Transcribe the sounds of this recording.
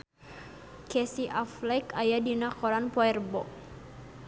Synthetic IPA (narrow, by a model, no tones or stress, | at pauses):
kɛsiʔaflakajadinakɔɾanpɔɛrbɔʔ